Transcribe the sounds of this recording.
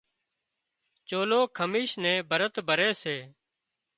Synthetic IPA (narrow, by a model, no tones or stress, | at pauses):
t͡ʃoːloːkʰəmiːʃnɛ̃ːbʱəɾət̪bʱəɾeːseː